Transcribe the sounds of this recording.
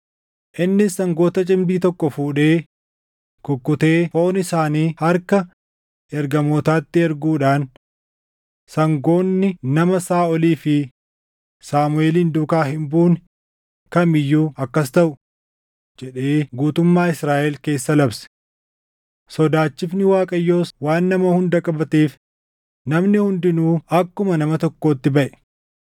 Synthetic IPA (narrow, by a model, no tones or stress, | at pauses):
ʔɪnːɪsːɐŋɡo̞ːt̪ɐt͡ʃʼɪmb̪iːt̪ɔkʼːɔfuːᶑe̞ː | kʊkːʊt̪e̞ːho̞ːnɪsaːniːhɐɾkɐ | ɛɾɡɐmoːt̪aːt̪ːɪɛɾɡuːᶑaːn | sɐŋɡo̞ːnːɪnɐmɐsaːɔliːfɪ | saːmʊeːliːnd̪ʊːkaːɦɪmbuːn | kɐmɪjːuːɐkːɐst̪ɐʔʊ | d͡ʒɛᶑe̞ːɡuːt̪ʊmːaːɪsɾaːʔɛlke̞ːsːɐlɐbsɛ̥ | sɔd̪aːt͡ʃːɪfnɪwaːkʼɐjːoːwaːnːɐmɐhʊnd̪ɐkʼɐbɐt̪eːf | nɐmnɪhʊnd̪ɪnuːɐkːʊmɐnɐmɐt̪ɔkːoːt̪ːɪbɐʔɛ̥